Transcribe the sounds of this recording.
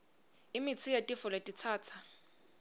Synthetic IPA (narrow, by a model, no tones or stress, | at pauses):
ɪmɪt͡sʰɪjatʼifʊlatʼit͡sʰaːt͡sʰa